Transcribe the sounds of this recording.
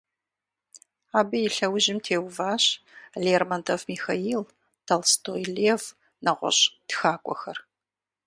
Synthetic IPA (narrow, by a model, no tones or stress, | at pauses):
aːbɨjɪɬɐwʑɪmtʰeːwvaːɕ | leːrmɐntʰovmixaiːl | tʰɐlstʰoːjlev | nɐʁʷɔ̰ɕd̥xaːkʷʼɔ̰xɐr